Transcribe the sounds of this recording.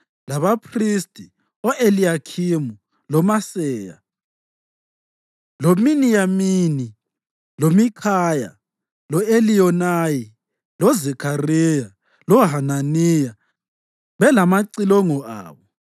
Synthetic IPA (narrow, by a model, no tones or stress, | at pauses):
laβapʰristʼi | ɔʔelijakʰimu | lɔmasɛːja̰ | lominijamini | lomikʰaja̰ | lɔelijɔnaji | lɔzɛkʰarija | lɔɦananija | βɛlamaǀilɔŋɔʔa̰ːβɔ